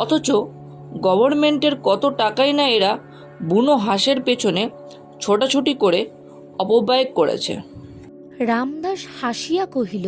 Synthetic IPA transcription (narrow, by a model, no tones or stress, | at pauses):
ɔt̪ʰot͡ɕo | ɡɔbʱoɾmeɳʈeɾkɔt̪oʈakajnaeɾa | bunoɦaʃeɾpet͡ɕʰone | t͡ɕʰoʈat͡ɕʰoʈikoɾe | ɔpobaekːoɽḛt͡ɕʰḛ | ɾamd̪aʃhaʃijakoɦilo